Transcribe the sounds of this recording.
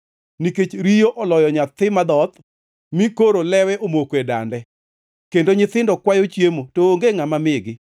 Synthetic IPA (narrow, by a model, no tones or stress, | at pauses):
niket͡ʃɾijoʔɔlɔjɔɲat̪ɪmad̪ɔt̪ | mikoɾolɛwɛʔomokeda̰ndɛ | kendoɲɪt̪ɪndɔkwajot͡ʃjemotoːŋɡeŋamamɪɡɪ